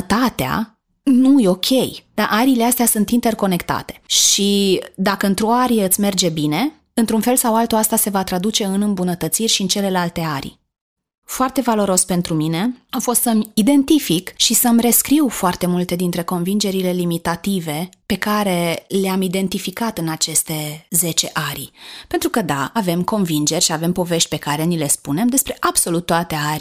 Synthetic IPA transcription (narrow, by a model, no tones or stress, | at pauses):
t̪at̪ea̰ | nujo̞kʲʰe̞jd̪̥aʔaɾileast̪easunt̪int̪e̞rko̞ne̞kt̪a̰t̪e̞̥ʃid̪akəɨnt̪ɾuaɾijɨt̪sʲme̞rd͡ʒe̞bine̞ | ɨnt̪ɾunfe̞lsawalt̪oast̪ase̞vat̪ɾad̪ut͡ʃe̞ɨnɨmbunət̪ət̪sirʲʃiɨnt͡ʃe̞le̞lalt̪e̞aɾʲ | foart̪e̞valo̞ɾo̞spe̞nt̪ɾumine̞awfo̞st̪səmid̪e̞nt̪ifikʃisəmre̞skɾiwfoart̪e̞mult̪e̞d̪int̪ɾe̞ko̞nvind͡ʒe̞ɾile̞limit̪at̪ive̞pe̞kaɾe̞leamid̪e̞nt̪ifikat̪ɨnat͡ʃe̞st̪e̞ze̞t͡ʃe̞ʔaɾʲpent̪ɾukəd̪a̰ave̞mko̞nvind͡ʒe̞rʲʃiave̞mpo̞ve̞ʃt̪ʲpe̞kaɾe̞nile̞spune̞md̪e̞spɾe̞ʔab̥so̞lut̪ːoat̪e̞aɾʲ